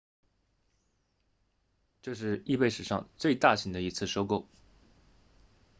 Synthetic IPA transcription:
ʈ͡ʂɤ˥˧ʂ̬ɻ̩˥˧i˥˧pe˥˩ɪʂɻ̩˨˩ʂɑ̰˥˧ŋt͡swe˥˧ɪt̪a˥˩ɕʰi˧˥d̪ə˧i˧˥t͡sʰɹ̩˥˩ʂo˥ʊko˥˩ʊ

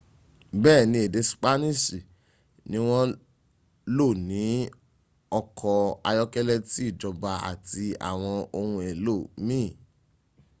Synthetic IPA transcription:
bɛː˦˨nĩ˧e˨de˧sk͡pa˦nĩ˦˨si˨ | nĩ˦w̃ɔ̃˦ | lo˦˨nĩ˨˦ | ɔ˧kʰɔ˧a˧jɔ˦kɛ˦lɛ˦ti˦i˦˨d͡ʒɔ˧ba˧a̰˨ti˧a̰˨w̃ɔ̃˧o˧hũ˧e˨lo˦˨mĩ˦˨

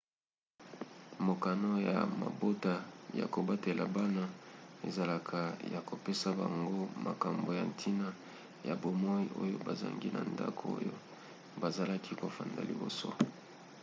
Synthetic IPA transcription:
mo˨ka˨no˦ja̰˨ma̰˨bo˦ta˦ja̰˨ko˨ba˦te˨la̰˨ba˦na˦e˨za˨la˨kʰa˨ja˨ko˨pe˦sa˦ba˨ŋɡo˦mʔa˨ka˨mbo˨ja˨ntʰi˦na˦ | ja˨bo˨mɔ˦i˦ʔo̰˦jo̰˦ba˨za̰˨ŋɡi˦na̰˨nda̰˦kʰo˦o̰˦jo̰˦ | ba˨za˨la˦kʰi˦ko˨fa˨nda̰˨li˨bo̰˨so̰˦

